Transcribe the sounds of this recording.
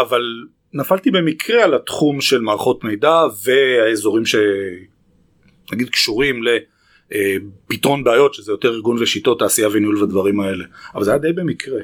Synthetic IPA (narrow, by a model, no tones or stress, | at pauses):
aval | nafalt̪ibe̞mikʁealat̪χumʃe̞lmaːʁχo̞tmejdave̞aezo̞ʁimʃe̞ | naɡid̪kʃuʁimle̞ | pit̪ʁo̞nbeːjo̞tʃezejo̞t̪e̞ʁiʁɡunveʃito̞tːaːsijaveniulvadvaʁimae̞le̞avalzajad̪ejbe̞mikʁe